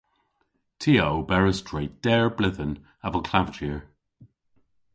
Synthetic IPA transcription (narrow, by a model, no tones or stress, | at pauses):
tʰiːowbɛɹəstʰɹeɪd̥ɛɹblɪðən | avəlˠkʰlavt͡ʃiəɹ